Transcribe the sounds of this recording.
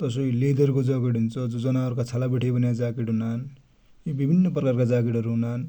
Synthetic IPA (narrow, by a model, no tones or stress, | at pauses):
t̪ʌsoilid̪ʱʌrkod͡zʌɡeʈɦunt͡sʰʌd͡zud͡zʌnaʌɾukat͡sʰalabiʈʰibʌnjad͡zakiʈɦunan | jobibʱinːʌprʌkarkad͡zakiʈʌɾuɦunan